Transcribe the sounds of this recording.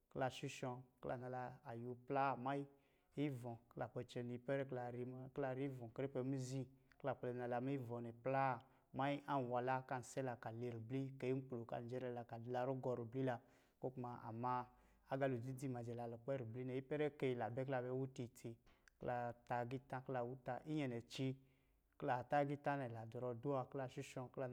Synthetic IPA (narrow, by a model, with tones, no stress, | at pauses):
kla˧˨ʃu˦ʃɔ̃˧kla̰˨na˧la˧a˨ju˨˧pla˦˨ma˦ji˦ | i˦vɔ̃˨kla˨k͡pɛ˧t͡ʃɛ˧n˨i˦pɛ˦ɾɛ˦kla˨ɾi˦kla˧ɾi˦vɔ̃˨kɾi˦pɛ˧˦mi˦zĩ˦kla˨k͡plɛ˧˨na˧la˨mi˦i˦vɔ˨nɛ˨pla˦˨ | ma˦ji˦a˦n˨wa˨la˦ka˧˨n̩˨sɛ˦la˧ka˨le˨ɾi˨bli˦ke˨˦i˦m˦k͡plo˨ka̰˨n˨d͡ʒɛ˦ɾɛ˧˦la˨ka˨dla˧ɾu˦ɡɔ˧ɾu˨bli˦la˧ | ko˦k͡pu˦ma˧ʔa̰˨ma˧ | a˦ɡa˧lu˨d͡zi˦d͡zi˦ma˨d͡ʒɛ˨la˧˨lɔ˨k͡pɛ˦ɾu˨bli˦nɛ˨ji˦pɛ˦ɾɛ˦ke˧˨la˨bɛ˦kla˧bɛ˧˦wu˦ti˧tʰi˧kla˧ta˧ɡi˦tã˦kla˧˨wu˦ta˧ʔi˦ɲɛ˧nɛ˨t͡ʃi˧ | kla˨ta˦ɡi˦ta˦nɛ˨la˨dɔ˨ɾɔ˧du˦a˧kla˧ʃi˦ʃɔ̃˧kla˧